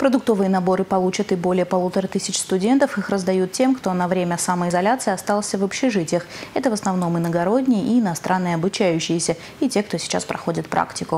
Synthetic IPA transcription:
pɾəd̪ʊk̚t̪o̞vɨjənɐbo̞ɾɨpɐlˠut͡ɕət̪ɪbo̞lʲɪjəpɐlˠut̪əɾət̪ɨsʲɪt͡ɕst̪ʊdʲe̞nt̪əfixrəzd̪ɐjut̪̚tʲe̞mkt̪o̞nɐvɾʲemʲəsaməɪzɐlʲat̪sɨɪɐst̪alˠsʲəvəpɕɪʐɨtʲɪjəxɛt̪əvəsnɐvno̞mɨnəɡɐɾo̞dʲnʲɪjəʔiːnɐst̪ɾanːɨjəɐbʊt͡ɕæjʉɕːɪjɪsʲə | itʲe̞kt̪o̞sʲɪ̥t͡ɕa̰spɾɐ̰xo̞dʲɪt̪pɾʔa̰ktʲɪkʊ

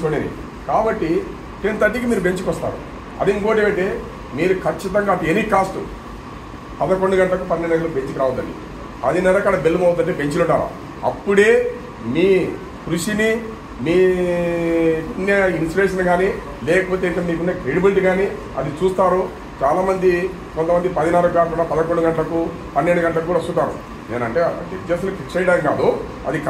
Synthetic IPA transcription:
t͡ʃoːɽenḭ | kaːbɐʈːi | tent̪ɐʈːikimiːɾup̬e̞ɲt͡ʃukɔst̪a̰ːɾṵ | ɐ̰d̪iŋkoːʈ̬emɐɳʈeː | miːɾukʰɐt͡ʃːit̪ɐŋɡaːt̪ːeeniːkaːsʈu | pɐd̪ɐko̞ɳɖuɡɐɳʈɐlɐkupɐnːinːɐɡɐlope̞ɲt͡ʃikiɾaːʋɐd̪ːɐɳɖḭ | ɐd̪inɛlɐkːɐɽɐbelːumɐwɐd̪ːɐɳʈ̬eːpe̞ɲt͡ʃiluɳʈːaːɾa̰ː | ɐ̰pːuɽe̞ː | miː | kɾuʂini | miː | injɐinsʈɐɾeːʂɐnɡaːni | lɛːkɐpoːt̪̬eit̪eːmiːkunːeːkɾeːɽimeɳʈɡaːni | ɐ̰d̪it͡ʃuːst̪aːɾu | t͡ʃaːlaːmɐnd̪i | kont̪ɐmɐnd̪ipɐd̪inaːluɡaːʈunapɐd̪ɐkoɳɖuɡɐɳʈɐlɐku | pɐnːeɳɖuɡɐɳʈɐlɐkukːuːɽɐst̪ut̪aːɾṵ | neːnɐɳʈe̞ːɐ̰d͡ʒed͡ʒɐsɐlukikt͡ʃɐjɐɽaːŋkaːd̪u | ɐ̰d̪ik

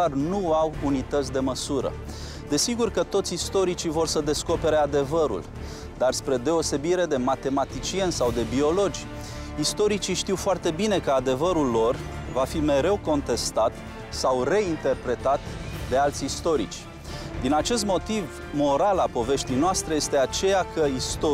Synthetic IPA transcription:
arnuawunit̪ət̪s̬ʲd̪e̞məsuɾə̰ | d̪e̞siɡurkət̪o̞t̪sʲist̪o̞ɾit͡ʃivo̞rsəd̪e̞sko̞pe̞ɾe̞ad̪e̞vəɾṵl | d̪arspɾe̞d̪e̞o̞se̞biɾe̞d̪e̞mat̪e̞mat̪it͡ʃie̞nsawd̪e̞bio̞lo̞d͡ʒʲ | ist̪o̞ɾit͡ʃiʃt̪iwfoart̪e̞bine̞kəad̪e̞vəɾulːo̞rvafime̞ɾe̞wko̞nt̪e̞st̪at̪ | sawre̞int̪e̞rpɾe̞t̪at̪d̪e̞alt̪sʲist̪o̞ɾḭt͡ʃʲ | d̪inat͡ʃe̞s̬t̪mo̞t̪iv | mo̞ɾalapo̞ve̞ʃt̪ijnoast̪ɾeje̞st̪e̞at͡ʃe̞jakəist̪o

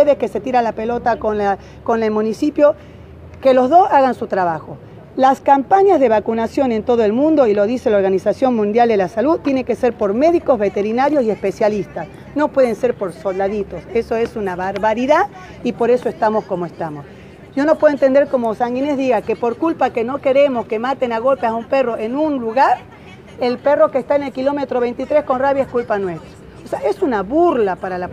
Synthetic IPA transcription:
eðeske̞se̞t̪iɾalapelo̞t̪akona | konelmũnisipjo̞ | kelo̞zðo̞saɣansut̪ɾaβaxo̞ | laskampaɲazðe̞β̞akunasjo̞ne̞nt̪o̞ð̞oe̞lmũnd̪o̞ilo̞ðise̞lao̞ɾɣanisasjo̞nmũnd̪jald̪e̞lasaluðt̪ːjene̞ŋke̞seɾpo̞ɾme̞ðiko̞zβe̞t̪e̞ɾinaɾjosie̞spesjalist̪as | no̞pwe̞ð̞ense̞ɾpo̞ɾsold̪aðit̪o̞se̞so̞e̞sunaβaɾβaɾiða | ipo̞ɾe̞so̞est̪amosko̞moest̪amo̞s | ʒ̥o̞no̞pweðoent̪end̪e̞ɾko̞mosaŋɡinezðiɣakepo̞ɾkulpakeno̞keɾemoskemat̪enaɣo̞lpeasaumpe̞ro̞ʔenunluɣaɾ | elpe̞ro̞kest̪aene̞lkilo̞met̪ɾoβe̞jnt̪it̪ɾe̞sko̞nraβjaeskulpanwe̞st̪ɾḁ | oseaʔesunaβuɾlapaɾala

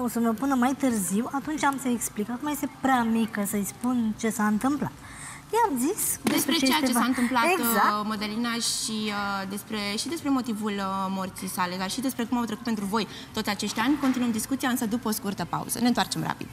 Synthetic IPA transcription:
osəməpunəmajt̪ɨrziwat̪unt͡ʃʲamsəeksplikakumaje̞st̪e̞pɾeamikəsəjspunt͡ʃe̞saɨnt̪ɨmpla̰t̪ | jeamzisd̪espeɾet͡ʃet͡ʃeat͡ʃe̞saɨnt̪ɨmplaet̪aməd̪elinaʃiəd̪e̞spɾe̞ʃid̪e̞spɾe̞mo̞t̪ivulmort̪sijsale̞d̪arʃid̪e̞spɾe̞kumamt̪ɾekut̪pent̪ɾuvo̞j | t̪ot̪ʲat͡ʃe̞ʃt̪ʲanʲkont̪inuəmd̪iskut̪siaɨnsəd̪upəoskurt̪əpa̰ṵz̥ə̰neɨnt̪oart͡ʃe̞mra̰pḭd̪̥

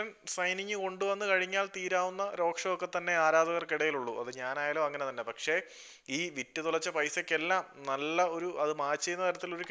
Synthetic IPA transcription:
ɐnsɐjniɲːɨko̞ɳɖuʋɐnːɨkɐɻiɲːaːlt̪iːɾaːʋunːɐɾo̞ːkʂɐʋokːe̞t̪ːɐnːe̞aːɾaːd̪ɐɣɐrkiɽɐjiluɭːuɐðɨɲaːnaːjaːlo̞ːɐŋːɐne̞t̪ɐnːe̞pɐkʂe̞ | iːʋitːɐt̪uɭɐt͡ɕːɐpɐjsɐkːe̞lːaːmnɐlːɐo̞ɾuʔɐðɨmaːt͡ɕːɐjunːɐt̪ɐɾɐt̪ːilo̞ɾuk

